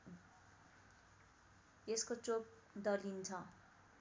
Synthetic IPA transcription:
eskot͡sop̚ | d̪ʌlint͡sʰʌ

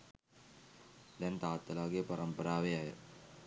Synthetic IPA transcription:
d̪ɛnt̪aːt̪ːəlaːɡepaɾəmpəɾaːʋeajə

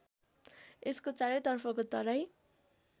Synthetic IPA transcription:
eskot͡saɾʌjt̪ʌrpʰʌkot̪ʌɾʌj

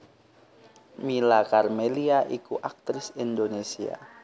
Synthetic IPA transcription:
milakarmeliaʔikuʔak̚t̪ɾɪsind̪onesia̰

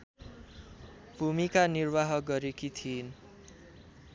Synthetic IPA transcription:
b̥ʱumikanirbaɦʌɡʌɾekit̪ʰin

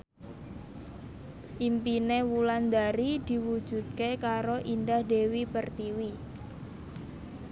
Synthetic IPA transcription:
ʔimpinewuland̪aɾid̪̥i̤wud̥ʒ̥ṳd̪̚kekaɾoʔind̪ahd̥ewipərt̪iwi

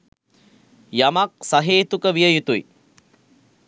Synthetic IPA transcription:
jamak̚saɦeːt̪ukəʋijəjut̪uj

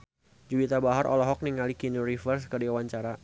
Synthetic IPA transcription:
d͡ʒubit̪abaɦaɾʔɔ̰lɔɦɔk̚niŋalikinuɾifərs̬kədiawaɲt͡ʃaɾa

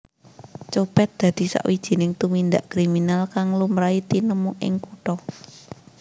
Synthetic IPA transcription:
t͡ʃopɛt̪̚d̪̥ä̤d̪̥i̤sa̰ʔwid̥ʒ̥i̤nɪŋt̪umind̪aʔkɾiminalkaŋlumɾait̪inəmuʔɪ̰ŋkuʈɔ

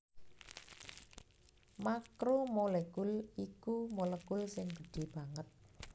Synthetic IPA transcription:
makɾumolekʊlikumolekʊlsɪŋɡə̤ɖ̥i̤b̥a̤ŋət̪̚

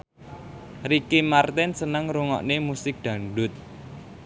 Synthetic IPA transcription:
rikimart̪ɛnsənəŋɾuŋɔ̰ʔnemusɪk̚d̪̥ä̤ɳɖʊt̪̚

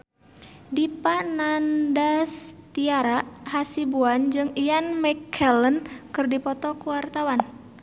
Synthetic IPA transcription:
dipanandast̪iaɾaʔhasibuand͡ʒɨŋianmɛkʰːɛlənkɨrdipɔt̪ɔkuwart̪awan

